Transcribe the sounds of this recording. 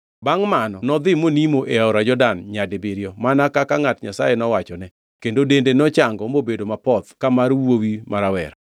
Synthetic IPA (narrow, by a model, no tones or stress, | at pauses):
baŋmanɔnɔd̪ɪmonimoʔeaɔɾad͡ʒɔdanɲadɪbɪɾjɔmanakakaŋatɲa̰sajenɔwat͡ʃɔnɛ | kendodendenɔt͡ʃaŋɡɔmobedomapɔt̪kamaɾwowimaɾawɛ̰ɾa